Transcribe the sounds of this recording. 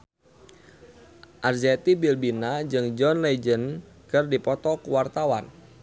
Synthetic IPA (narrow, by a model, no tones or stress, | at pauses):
ʔarzɛt̪ibilbinad͡ʒɨŋd͡ʒɔnled͡ʒən | kɨrdipɔt̪ɔkuwart̪awan